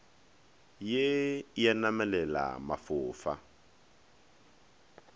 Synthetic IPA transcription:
jejanamɛlɛla̰mafʊːfa

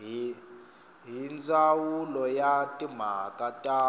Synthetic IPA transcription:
ɦind͡zʱʼawulɔjatʼim̤akʼatʼaː

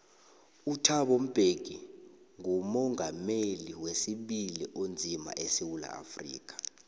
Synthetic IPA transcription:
utʰaɓom̩b̥ʱeɡ̥ʱi | ŋumɔŋameliwesiɓiliʔond͡zʱima̰ʔesiwula̰a̰frḭːk̬ʼḁ

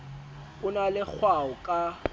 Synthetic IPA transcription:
ʊnalɪk͡xʰwaʊkʼa

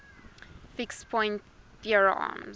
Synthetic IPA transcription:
fɪkspʰɔ̃ɪ̃nt | ðjəɹɑ̰m

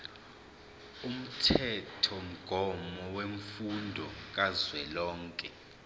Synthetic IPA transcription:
um̩tʰɛtʰɔm̩ɡ̥ʱɔmɔweɱfundʱɔk̬azwɛlɔːŋkʼɛ

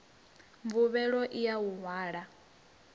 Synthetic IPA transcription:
ɱvuβɛɺɔʔijawuŋwaːɺa

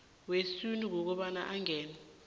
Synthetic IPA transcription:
wesunik̬ɔk̬ɔɓanaʔaŋɛːna

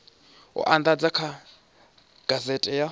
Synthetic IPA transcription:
ɔ̰ʔand̪ad͡zakʰa | ɡ̥azɛtʼɛja

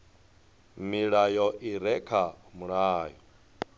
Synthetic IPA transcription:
miɺajɔʔiɾɛkʰamuɺaːjɔ

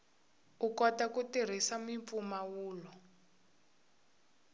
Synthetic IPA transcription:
ukɔtakutir̤isamiɱfumawuːlɔ

